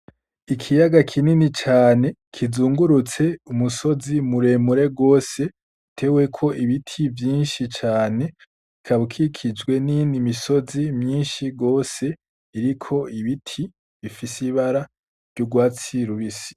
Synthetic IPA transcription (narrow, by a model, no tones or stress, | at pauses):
ikʰijaɡakʰininit͡ʃaːne̞kʰizuːŋɡuɾut͡se̞umuso̞zimuɾe̞muɾe̞ɡo̞ːse̞ | tʰe̞we̞kʰo̞ʔiβitʰivjiːnʃit͡ʃaːne̞ | ikʰaβukʰikʰid͡ʒɡwe̞ninimiso̞zimɲiːnʃiɡo̞ːse̞ | iɾikʰo̞iβitʰi | βifisiβaɾa | ɾɟuɡwaːt͡siɾuβisi̥